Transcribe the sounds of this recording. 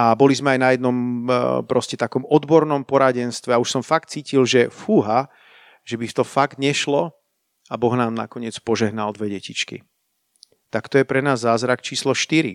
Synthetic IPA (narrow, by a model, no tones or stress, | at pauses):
abɔlizmɛajnajɛd̪nɔmpɾɔscɛt̪akɔmɔd̪bɔɾnɔmpɔɾaɟɛnst̪ʋɛauʃsɔmfakt̪t͡siːcilʒɛfuːɦa | ʒ̥ɛbift̪ɔfaɡd̪ɲɛʃlɔ | abɔɣnaːmna̰kɔɲɪɛt͡spɔʒɛɦnald̪ʋɛɟɛcit͡ʃkḭ | t̪akt̪ɔjɛpɾɛnaːzːaːzɾakt͡ʃiːslɔʃt̪iɾḭ